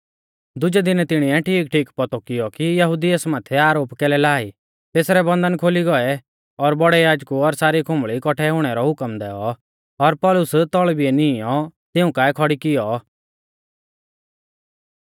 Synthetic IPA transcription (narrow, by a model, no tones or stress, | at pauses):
d̪ʊd͡ʒɛd̪ɪnɛt̪ɪɽ̃iɛʈʰiːkʈʰiːkpɔt̪ɔkɪjɔkijɐɦʊd̪iəsmãːt̪ʰɛaːɾoːpkɛːlɛlaːi | t̪eːsɾɛbɐ̃nd̪ənkʰoːliɡɔɛ | ɔɾbɔɽɛjaːd͡ʒkuɔɾsaːɾikʰʊ̃mbɭikɔʈʰɛɦʊɽ̃ɛɾɔɦʊkəmd̪ɛːɔ | ɔɾpɔːlʊst̪ɔɭbiɛnɪjɔt̪ɪũkaːɛkʰɔɽikɪjɔ